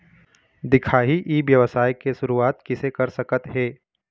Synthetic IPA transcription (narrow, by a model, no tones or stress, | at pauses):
d̪ɪkʰaːɦiʔiːbjɐʋəsaːjkesʊɾuaːt̪kɪsekɐɾsɐkət̪ɦɛː